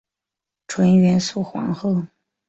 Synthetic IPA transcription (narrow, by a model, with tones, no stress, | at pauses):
ʈ͡ʂʰwə˧˥nɥɛ˧˥nsu˥˩xwɑ̰˧˥ŋxɤ˥˩